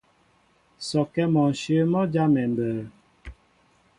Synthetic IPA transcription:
sɔ˨kɛ˦mɔ˨n̩˨ʃə˦mɔ˦d͡ʒa˦mɛ˨m˨bəː˨

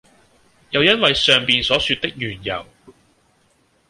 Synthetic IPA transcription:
jɐ˨˧wjɐ˥nwɐ˨jsœː˨ŋpiː˨nsɔː˨˥syː˧t̚t̪ɪ˥k̚jyː˨˩njɐ̰˨˩w

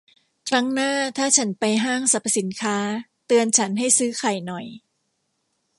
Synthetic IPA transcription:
kʰɾa˦˥ŋnaː˥˩t̪ʰaː˥˩t͡ɕʰa˦˥npa˧jɦaː˥˩ŋsa˨˩p̚ʰsi˩˦nkʰaː˦˥t̪ɯ˧ənt͡ɕʰa˦˥nɦa˥˩jsɯː˦˥kʰa˨˩jnɔ˨˩j

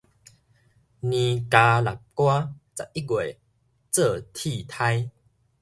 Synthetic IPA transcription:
nĩ˧ka˧la˨˩k̚kwa˦t͡sa˨ʔʔi˦˥ɡwe˨ | t͡sə˥˧˨t̪ʰi˥˧˨t̪ʰa˧j

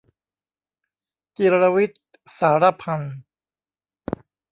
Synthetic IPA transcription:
ki˧ɾa˧wi˦˥t̪̚ | saː˩˦ɾa˦˧pʰa˧n

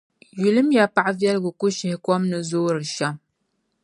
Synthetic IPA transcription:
ji˨lɨ˦mja˨pa˨ʔvjɛ˦lɡɨ˨ku˦ʃɪ˨hkwɔ˦mnɨ˦zoː˦ɾɨ˨ʃa˦m

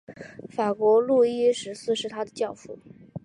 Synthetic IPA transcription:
fa˨˩kwɔ˧˥lu˥˧i˥ʂɻ̩˧˥sɹ̩˥˧ʂɻ̩˥˩t̪ʰa˥d̪ə˨t͡ɕjɑ˥˧ʊfu˥˩

